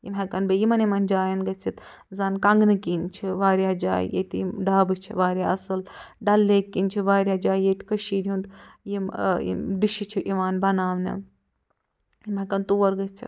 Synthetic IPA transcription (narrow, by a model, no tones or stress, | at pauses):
jḭmɦɐkɐnbejimɐnimɐnd͡ʒaːjɐnɡɐt͡sʰit̪ | zɐnkɐŋɡnɨkint͡ʃʰiʋaːɾjaːd͡ʒa̰ːj̰jḛt̪jḭmɖaːbɨt͡ʃʰḭʋaːɾʲjaːɐsɨlɖɐlːeːkːinʲt͡ʃʰiʋaːɾʲjaːd͡ʒaːjjet̪kɐʃiːd̪ʲjund̪jimḭd̪iʃit͡ʃʰiʔiʋaːnbɐnaːʋnʲɐ̰ | jimɐkɐnt̪uːʋɐɾɡɐt͡sʰḭ